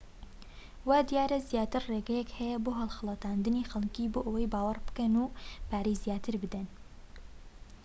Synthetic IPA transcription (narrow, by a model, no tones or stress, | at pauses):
wad̪ijaːɾɐzijaːt̪ɨrreːɡɛjɛkhɛjɛboːɦɐlˠxɨlˠɐt̪aːnd̪ɨniːxɐlkiːboːʔɐwejbaːwɑrbɨ̥kɛnuːpʰaːɾijzijaːt̪ɨɾbɨd̪ɛn